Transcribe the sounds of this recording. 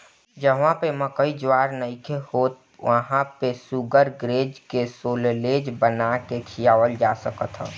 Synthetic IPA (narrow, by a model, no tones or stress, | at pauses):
d͡ʒəɦʋãpeməkəid͡ʒwaɾnəikʰehoːt̪̚ | ʋəɦãpesuɡəɾɡɾeːd͡ʒkesoːlleːd͡ʒbənakekʰijaʋəld͡ʒasəkət̪ɦə̰̃